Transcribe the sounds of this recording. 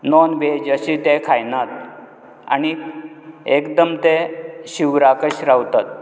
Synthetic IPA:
nɔnʋed͡ʑəɕit̪ekʰajnat̪ | a̰ni | ekd̪əmt̪eɕiʋɾakəɕɾawt̪at̪̚

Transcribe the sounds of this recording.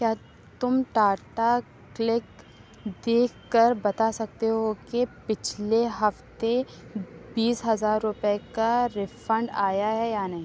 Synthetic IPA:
kjaː | t̪ʊmʈaːʈa | klɪk | d̪eːkʰkəɾbɐt̪asɐk̚t̪eɦokepɪt͡ʃʰleɦɐft̪e | biːsɦɐzaːɾːʊpekaɾɪfə̃ɳɖaːjaɦɛjanɐɦĩː

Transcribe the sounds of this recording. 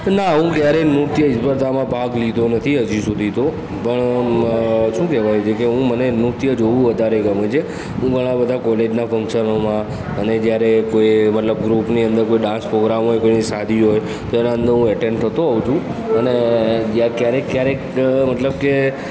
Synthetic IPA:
naɦũkjaɾenut̪jəɪsbəɾt̪amãbʱaɡlid̪ʱonət̪ʰiɦəd͡ʒisud̪ʱit̪o | pəɳ | ʃũkɛʋajut͡ʃʰekeɦũmənenut̪jəd͡ʒoʋũʋəd̪ʱaɾeɡəmet͡ʃʰe | ɦũɡʱəɽ̃ãbəd̪ʱakɔled͡ʒnafə̃ŋkʃənomã | əned͡ʒjaɾekoimət̪ləb̚ɡɾupniənd̪əɾkoiɖãspɾoɡɾamɦojkoinisad̪ʱiɦoj | t̪oenaə̃nd̪əɾɦũəʈẽɳɖt̪ʰət̪oɦaũt͡ʃʰũəned͡ʒjakjaɾekjaɾe | mət̪ləbke

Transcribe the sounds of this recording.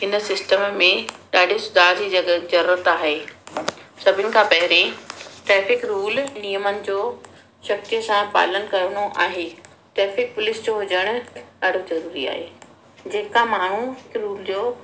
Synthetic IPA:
ɦɪnəsɪsʈəmmẽɗaːɖʱesʊd̪ʱaːd͡ʑiːɐəzɐɾuːɾət̪aːɦe | sɐbʱɪnɪ̆kʰãːpɐɦɪɾeʈɾɛːfɪkɾuːlniːjəmənɪ̆d͡ʑoː | ʃɐk̚t̪ijəsãpa̰ːlən̆kɐɾəñoʔaːɦe | ʈɾɛːfɪk̚pʊlɪsd͡ʑoɦʊd͡ʑəɽ̃ʊ̆ɗaːɖʱozɐɾuːɾia̰ːɦeː | d͡ʑeːkamaːɳ̤uɦɪkɾuːld͡ʑoː

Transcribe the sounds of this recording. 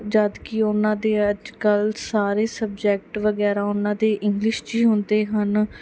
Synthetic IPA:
d͡ʒəd̪kɪʊnãːd̪eːəd͡ʒkəlsaːɾeːsəb̚d͡ʒɛːk̚ʈʋəɡɛːɾaːʊnãːd̪eːʔɪŋɡlɪʃd͡ʒiːɦʊnd̪eːɦən

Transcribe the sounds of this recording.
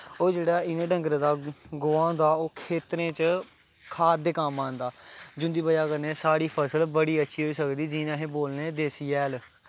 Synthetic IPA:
oːd͡ʒeːɽaːɪnẽːɖə̃ŋɡɾd̪aːɡoːãːnd̪aːoːkʰeːt̪ɾẽːt͡ʃ | kʰaːd̪eːkamãːnd̪aːd͡ʒʊ̃nd̪iːbəjaːkəɾneːsaːɽiːpʰəsəlbəɽiːətːʃʰiːɦoːiːsəkd̪iːd͡ʒiːnãːɦẽːboːlnẽːd̪eːsiːɛːl

